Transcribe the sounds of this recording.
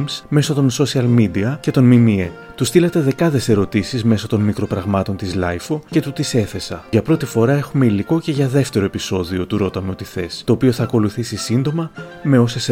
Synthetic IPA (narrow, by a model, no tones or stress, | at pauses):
msme̞sot̪o̞nso̞siɐlmid̪iɐce̞t̪o̞nmimie | t̪ust̪ilɐt̪e̞ðe̞kɐðe̞se̞ɾo̞t̪isizme̞sot̪o̞nmikɾo̞pɾɐɣmɐt̪o̞nt̪izlɐjfoce̞t̪ut̪ise̞θe̞sɐʝɐpɾo̞t̪ifo̞ɾɐe̞xume̞iliko̞ce̞ʝɐðe̞ft̪e̞ɾo̞e̞piso̞ðio̞t̪uɾo̞t̪ɐme̞o̞t̪iθe̞st̪o̞ːpio̞θɐːko̞luθisisind̪o̞mɐ | me̞o̞ses